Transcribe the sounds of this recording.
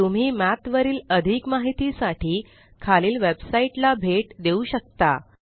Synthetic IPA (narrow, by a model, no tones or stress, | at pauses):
t̪um̤iːmæt̪ʋəɾiːləd̪ʱikmaɦit̪isaʈʰiː | kʰaliːlʋebsaiʈlabʱeʈd̪euɕək̚t̪a̰